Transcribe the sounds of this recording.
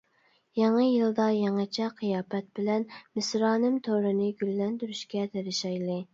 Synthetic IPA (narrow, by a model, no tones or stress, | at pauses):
jɑŋɨjɨlˠd̪ɑjɑŋɨt͡ʃʰɛqʰɨjɑːpɛt̪̚bɪlɛnmɪsɾɑːnɨmt̪ʰoɾɨnɨɡʲylːɛnt̪yɾyʃkʲɛt̪ʰeɾɪʃɑjlˠɨ